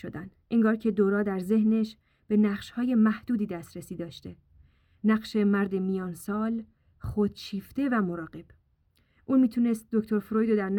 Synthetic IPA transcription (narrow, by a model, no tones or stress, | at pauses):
ʃod̪ænd̪ʔeŋɡɒːɾcʰe̞d̪oːɾɒːd̪æɾze̞hne̞ʃ | b̥e̞næqʃhɒːje̞mæhd̪uːd̪iːd̪æst̪ɾesiːd̪ɒːʃt̪e̞ | næɢʃe̞mæɾd̪e̞mijɒːnsɒːl | χod̪̥t͡ʃʰiːft̪e̞væmoɾɒːɢe̞b̥ | ʔuːnmiːt̪ʰune̞st̪̚d̪ocʰt̪ʰo̞ɾfɾojd̪od̪æɾn